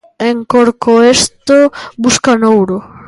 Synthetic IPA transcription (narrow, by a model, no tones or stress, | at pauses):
eŋkoɾkoest̪obuskanowɾo